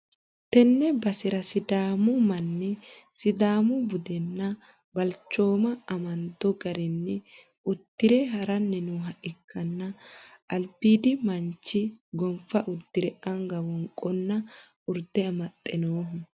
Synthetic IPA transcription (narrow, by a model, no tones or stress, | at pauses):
t̪ɛnːɛbɐsɪɾɐsɪd̪aːmʊmɐnːɪsɪd̪aːmʊbʊd̪ɛnːɐ | bɐlt͡ʃːo̞ːmɐːmɐnd̪ɔɡɐɾɛnːɪ | ʊt̪ːɪɾɛɦɐɾɐnːɛnuːɦɐʔɪkːɐnːɐʔːlbiːd̪ɪmɐɲt͡ʃːɪɡɔmfɐʔʊɾd̪ːɪɾɛʔɐŋɡɐwɔŋkʼːɔnːɐ | ʊɾd̪ɛɐmɐt̪ʼːɛnoːɦʊ